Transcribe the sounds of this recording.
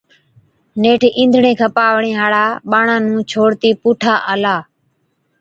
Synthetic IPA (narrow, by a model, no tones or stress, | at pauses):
neːʈʰːʔĩːnd̪ʱɳẽːkʰãːpaːʋɳẽːɦaːɽaːɓaːɳãːnũːt͡ʃʰoːɽt̪iːpuːʈʰaːʔəːlaː